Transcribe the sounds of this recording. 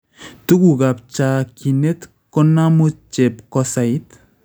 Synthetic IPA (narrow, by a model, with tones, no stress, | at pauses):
tu˦ku˨ka˨p̚t͡ʃa˨ki˨ne˦t | kɔ˦na˦mu˦t͡ʃe˨p̚kɔsa˨i˦t